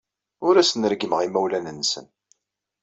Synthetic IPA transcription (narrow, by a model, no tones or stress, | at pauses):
ʊɾæsənəɾɡəməʁimæwlænənsə̰n